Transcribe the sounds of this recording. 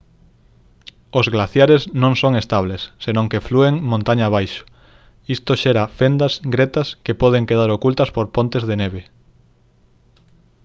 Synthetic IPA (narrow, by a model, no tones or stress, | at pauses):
ozɣlaθjaɾeznõŋsoŋest̪aβlesːenõŋkeflueŋmõnt̪aɲaːβ̞ajʃʊ̥ | ist̪oʃeɾafend̪ɐsɡɾet̪ɐskepɔð̞eŋkeðaɾokult̪ɐspoɾpont̪ezðeneβ̞e